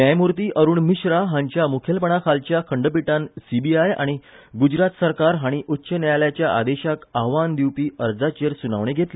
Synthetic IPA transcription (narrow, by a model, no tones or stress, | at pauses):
namuɾt̪iːʔəɾuːɳmiɕɾaɦãɲt͡ɕjamukʰjelpəɳakʰalt͡ɕjakʰəɳɖəp̬iʈãnsibiaja̰ɽ̃i | ɡud͡ʑɾat̪səɾkaɾɦaɽ̃iʔutːɕənajljat͡ɕjaʔa̰d̪eɕakaɦʋand̪iwpiːəɾd͡zat͡ɕeɾsunaʋɳ̃eɡʱet̪le